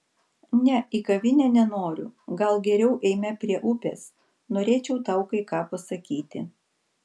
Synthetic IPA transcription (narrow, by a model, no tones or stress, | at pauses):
nʲɛiːkɐʋʲɪnʲɛnʲɛnoːɾʲʊ̰ɡɐlˠɡʲɛɾʲɛʊʔɛɪmʲɛpʲɾʲiɛʔʊpʲḛːs | noːɾʲeːt͡ʃʲɛʊt̪ɐʊkɐɪkɑːpɐsɐkʲiːt̪ʲɪ̰